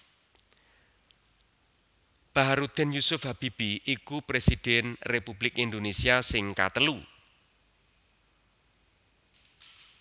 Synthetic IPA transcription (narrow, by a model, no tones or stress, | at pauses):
b̥aɦaɾud̪̥ɛ̤njusʊfhab̥ib̥iʔikupɾesid̥ɛnrepublɪkind̪onesiasɪŋka̰t̪əlu